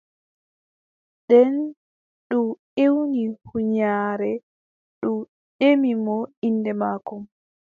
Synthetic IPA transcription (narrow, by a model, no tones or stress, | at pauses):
ɗɛn | ɗumʔewnihuɲaːɾɛ | ɗum | ɗemimɔinːdɛmaːkɔm